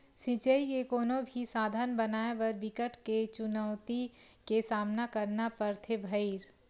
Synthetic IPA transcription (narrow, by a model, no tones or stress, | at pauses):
sɪt͡ʃəikekoːnobʱisaːd̪ʱənbɐnaːebɐɾbɪkəʈket͡ʃʊnəʊt̪ikesaːmnakɐɾnapɐɾt̪ʰebʱəiɾ